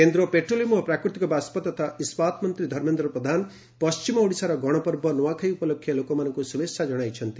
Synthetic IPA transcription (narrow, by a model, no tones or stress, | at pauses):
kend̪ɾopeʈrolimʌprakɾit̪ikobaspʌt̪ːɔt̪ʰaʔispat̪ʰmʌnt̪ɾid̪ʱʌɾmend̪ɾʌprʌd̪ʱan | pʌst͡ʃimʌoɽisaɾʌɡʌɽ̃ʌpʌɾbʱʌnɔwakʰajupʌlokʰːjelokomanʌŋkosumesʰad͡ʒʌɽ̃ajt͡ʃʰʌnt̪i